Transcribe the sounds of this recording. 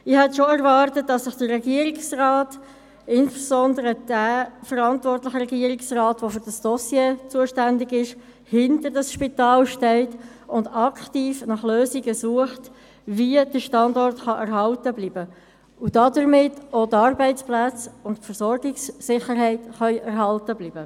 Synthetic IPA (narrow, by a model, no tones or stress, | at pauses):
ɪhɛtʃoɛɾvɑːrtət̚d̥ɑsːəχd̥ərɛɡiəɾɪksrɑːt | ɪnspesɔndəɾəd̥æfəɾɑntvɔrtlɪχəɾɛɡiəɾɪksrɑːtʋofʏɾd̥ɑsd̥ɔsjeːt͡suəʃtændɪɡɪʃ | hɪntəɾdɑsʃpitɑːlʃtɛɪtʊndɑkʰtiːfnɑχløːsiɡəsuəχt | viəd̥əʃtɑndɔrtχɑʔɛɾɦɑltəbliːbə | ud̥ɑdəɾmɪtotɑɾbɛɪt͡splæt͡sʊntpfəɾsɔɾɡɪksːɪχəɾɦɛɪtχœʏʔæɾɦɑltəbliːbə